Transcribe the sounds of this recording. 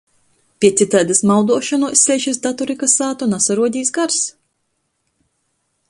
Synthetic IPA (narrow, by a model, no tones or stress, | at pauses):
pʲiɛsit̪aːd̪asmawd̪uɔʃanusʲsʲɛjʃis̬d̪at̪ɔɾikasaːt̪unasaɾuɔd̪ʲiːsɡaɾs